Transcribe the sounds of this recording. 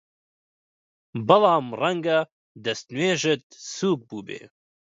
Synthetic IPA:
bɐlɑːmrɐŋɡɐ | d̪ɐst̪nweːʒɨt̪̚suːk̚buːbḛː

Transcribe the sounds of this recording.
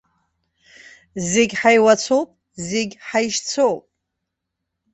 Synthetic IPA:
zeɡʲħajwat͡sʰowpʼ | zeɡʲħajʃt͡sʰowpʼ

